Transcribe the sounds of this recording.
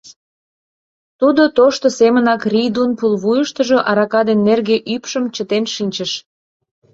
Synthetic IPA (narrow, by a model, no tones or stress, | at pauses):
t̪ud̪ot̪oʃt̪osemənɑkrʲid̪unpulβujəʃt̪əʒoʔɑɾɑkɑd̪enːerɣeʔypʃəmt͡ɕət̪enʃinʲt͡ɕəʃ